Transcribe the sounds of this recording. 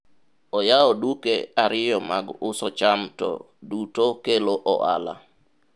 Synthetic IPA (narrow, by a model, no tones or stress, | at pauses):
ɔjaɔdukḛaɾɪjɔmaɡʊsɔt͡ʃamtɔ̰ | dutokeloʔɔ̰ʔa̰la̰